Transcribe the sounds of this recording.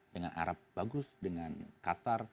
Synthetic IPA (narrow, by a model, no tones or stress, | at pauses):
dəŋana̰ɾap̚baɡʊsdəŋankat̪ar